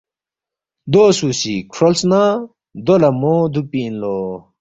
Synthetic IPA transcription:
d̪oːsusikʰʂolsna | d̪olɐmoːd̪upiːnloː

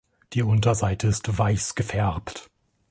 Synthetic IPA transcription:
d̥iːʔʊntɐzaɪtʰəɪstvaɪsɡ̥əfɛɐpt

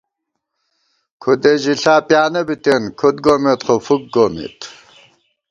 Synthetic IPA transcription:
kʰud̪eʑiɬaːpʼjaːnɐbit̪ʼenkʰod̪̚ɡomet̪χofuk̚ɡomḛt̪

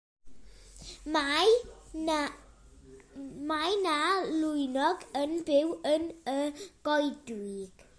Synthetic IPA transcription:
m | majnalʊjnɔɡənbɪwənəɡ̥ɔjdwiɡ̥

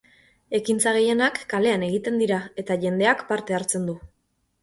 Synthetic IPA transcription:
e̞kint͡saɣe̞je̞nakːale̞ane̞ɣ̞it̪e̞nd̪iɾae̞t̪aʝe̞nd̪e̞akpaɾt̪e̞aɾt͡se̞nd̪u

